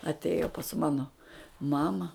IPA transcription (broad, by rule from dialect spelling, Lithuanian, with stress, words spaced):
ɐtʲˈeːjoː pɐs ˈmɑːnoː ˈmɑːmɐ